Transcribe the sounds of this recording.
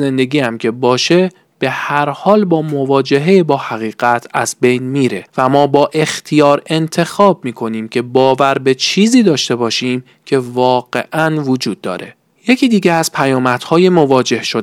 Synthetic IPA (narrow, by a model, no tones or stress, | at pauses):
e̞nd̪e̞ɡiːæmcʰe̞bɒːʃe | b̥e̞hæɾhɒːlbɒːmo̞vɒːd͡ʒe̞ɦejebɒːhæɣiːɣæt̪ʰæzbe̞jnmiːɾe̞væmɒːbɒːʔe̞xt̪ʰijɒːɾe̞nt̪ʰe̞xɒːb̚miːkʰo̞niːmcʲʰe̞bɒːvæɾbe̞t͡ʃʰiːziːd̪ɒːʃt̪e̞bɒːʃiːm | cʰe̞vɒːɢe̞̰ʔænvod͡ʒuːd̪̚ːɒ̰ːɾe̞ | je̞cʰiːd̪iːɟeæz̥pʰæjɒːmæt̪hɒːjemo̞vɒːd͡ʒe̞hʃo